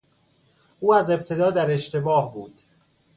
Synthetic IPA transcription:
ʔuːæze̞b̚t̪ʰe̞d̪ɒːd̪æɾe̞ʃt̪e̞bɒːhbuːd̪̥

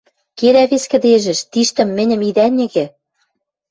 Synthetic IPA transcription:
keɾæβeskɘ̆d̪eʒɘ̆ʃt̪iʃt̪ɘ̆mːɘ̆nʲɘ̆mid̪ænʲɘ̆ɣɘ̆

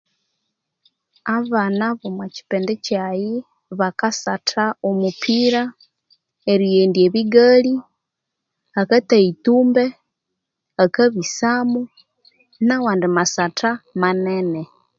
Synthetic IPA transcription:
aβanaβomwaci̥peːndecaji | βakasatʰaomupʰiɾa | eɾijeːndieβiɡali | akataituːmbe | akaβisaːmu | nawaːndimasatʰamanene

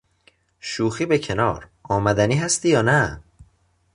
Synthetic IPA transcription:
ʃuːxiːbecʰe̞nɒ̰ːɾ | ɒːmæd̪æniːɦæst̪iːjɒːnæ

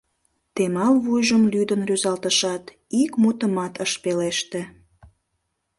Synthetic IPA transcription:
t̪emɑlvujʒəmlyd̪ənryzɑlt̪əʃɑt̪ | ikmut̪əmɑt̪əʃpeleʃt̪e

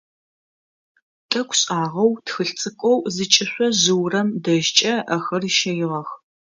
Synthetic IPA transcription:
tʼɐkʷʰɕʼaːʁɐwtxɨɬt͡sʼɨkʷʼɔwzɨt͡ʃʼɪɕʷɔʑɨwrɐmdɐʒt͡ʃʼɐɐxɐriʃɐjɪʁɐx

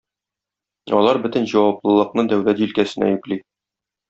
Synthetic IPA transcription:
ɒ̰lˠɑɾbɵt̪ɘnʑɒwɑplˠɤ̆lˠɤ̆qnɤd̪æwlæt̪ʑilkæsɘ̆næ̰jʉ̆kli

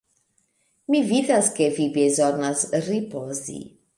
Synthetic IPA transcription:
mivid̪askevibezɔnasripozḭ

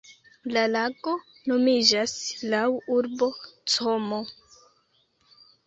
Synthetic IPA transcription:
lalaɡo̞ | no̞mid͡ʒaslawuɾbo̞t͡somo

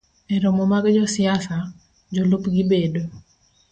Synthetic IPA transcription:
ɛɾomomaɡd͡ʒɔsɪasa | d͡ʒɔlupɡibedo

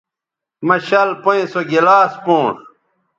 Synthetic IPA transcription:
mɐɕɐlpoĩsoɡilaːspõːʂ

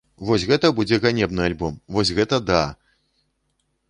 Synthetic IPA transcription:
vɔsʲɣɛt̪ɐbud͡zʲɛɣanʲɛbnɨalʲbɔmvɔsʲɣɛt̪ɐd̪a

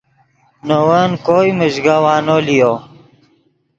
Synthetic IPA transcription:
nowənkoːjməʑɡawaːnolijo

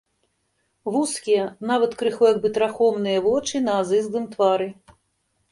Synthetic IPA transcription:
vuskʲijɐnavɐt̪kɾɨxɔjɐɡbɨt̪ɾaxɔmnɨjɐvɔt͡ʂɨnɐːzɨzd̪ɨmt̪vaɾɨ

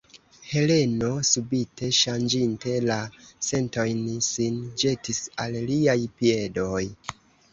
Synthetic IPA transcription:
he̞le̞no̞subitʰe̞ʃand͡ʒinte̞lase̞nto̞jnisind͡ʒe̞tisalliajpie̞do̞j

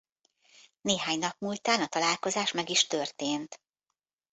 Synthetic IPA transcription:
neːɦaːɲnɒpmuːlt̪aːnɒt̪ɒlaːlko̞zaːʃmɛɡiʃt̪ørt̪eːnt̪

